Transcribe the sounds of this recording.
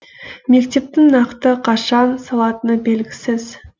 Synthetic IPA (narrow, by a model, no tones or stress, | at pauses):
me̞kt̪e̞p̚t̪ɪŋnɑqt̪əqʰɑʃɑnsɑlˠɑt̪ənəbe̞lɡʲɪsɪz